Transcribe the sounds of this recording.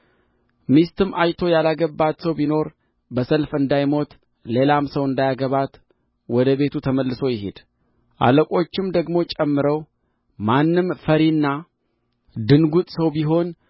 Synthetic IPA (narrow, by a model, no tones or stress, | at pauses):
mist̪ʰɨmʔajt̪ʰo̞jalaɡəbːat̪səwbino̞ɾ | bəsəlfɨnd̪ajmo̞t̪ | le̞lamsəwɨnd̪ajaɡəβat̪ | wɔd̪əβe̞t̪ʰut̪ʰəməlːɨso̞jɪɦed̪̥ | ʔa̰ləkʼo̞t͡ʃːɪmd̪əɡmo̞t͡ʃʼɛmːɨɾəw | manːɨmfəɾinːa | d̪ɨnɡut̪ʼsəwbiɦo̞n